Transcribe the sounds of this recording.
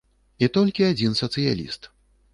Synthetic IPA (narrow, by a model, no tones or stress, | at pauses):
it̪ɔlʲkʲiad͡zʲinsɐt̪sɨja̰lʲḭst̪